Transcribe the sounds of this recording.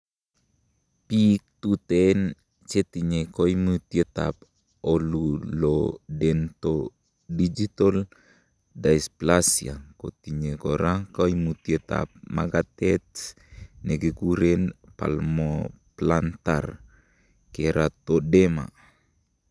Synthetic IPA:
pik̚t̪ut̪ɛn | t͡ʃɛt̪iɲekoimut̪iet̪a̰p̚ | ɔlulodɛnt̪o | did͡ʒit̪ɔl | daisplasia̰kot̪iɲekoɾakoimut̪iet̪a̰p̚maɡat̪ɛt̪s | nɛɡɛkuɾɛnpa̰lmo | plant̪a̰r | keɾʔat̪odema̰

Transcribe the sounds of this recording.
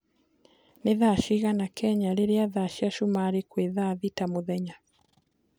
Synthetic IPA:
neðaʃiɣanakɛɲaɾeɾeaðaʃiaʃumaɾekweðaðitamoðɛɲa

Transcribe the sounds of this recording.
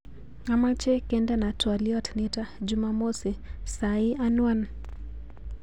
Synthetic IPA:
amat͡ʃɛkɛndanatwaliɔtnɛtad͡ʒumamosisaiʔanwan

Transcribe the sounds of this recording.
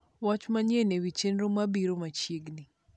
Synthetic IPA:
wat͡ʃmaɲenewit͡ʃenɾomabiɾomat͡ʃjeɡni

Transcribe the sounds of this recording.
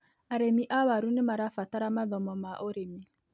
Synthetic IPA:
aɾemiʔawaɾunɪmaɾafataɾamaðɔmɔmaʔoɾemi

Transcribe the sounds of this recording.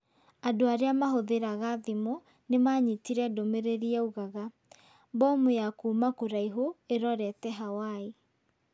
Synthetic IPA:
adoaɾeamaɦoðeɾaɣaðimo | nemaɲitiɾɛdomeɾeɾiɛuɣaɣa | bɔmojakuːmakoɾaiɦoeɾɔɾɛtɛɦawae

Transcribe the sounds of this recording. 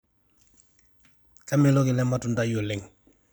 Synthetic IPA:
kameloɡilɛmatundajoleŋ

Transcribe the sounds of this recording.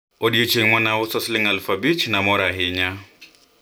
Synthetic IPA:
odiot͡ʃʰeŋ̩mɔnaʊsɔsɪlɪŋ̩alfabit͡ʃʰnamʊɾaɦɪɲa

